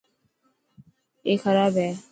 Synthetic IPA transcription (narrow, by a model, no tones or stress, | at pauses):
ekʰəɾaːbɛː